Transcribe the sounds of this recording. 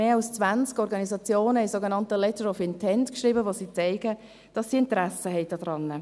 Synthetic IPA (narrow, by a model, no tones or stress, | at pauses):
eːɑlst͡svant͡skɔɾɡɑnizɑt͡sjoːnəɪsoɡenɑntəlɛtəɾɔfɪntʰɛntkʃriːbəvosiːt͡seɪɡə | d̥ɑsːiɪntɾæsəɦɛɪdɑdʁɑnːə